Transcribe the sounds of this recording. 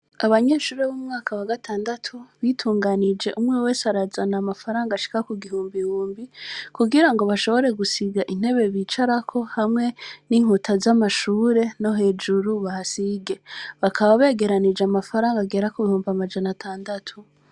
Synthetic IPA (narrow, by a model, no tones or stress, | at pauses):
aβaɲe̞ːʃuːɾeβuːmŋaːkawaɡatʰaːndatʰuβitʰuːŋɡanid͡ʒe̞ʔumŋewe̞ːsaɾazanamafaɾaːŋɡaʃi̥kakuɡihuːmbihuːmbikuɡiɾaŋɡo̞βaʃo̞βo̞ɾe̞ɡusiɡaʔin̥he̞βe̞βit͡ʃaɾakʰo̞hamŋe̞niːŋ̥utʰazamaʃuːɾe̞no̞ɦe̞ːd͡ʒuɾuβahasiɡe̞βakʰaβaβe̞ːɡe̞ɾanid͡ʒeamafaɾaːŋɡaɡe̞ːɾakuβihuːmbamad͡ʒanatʰaːndatʰu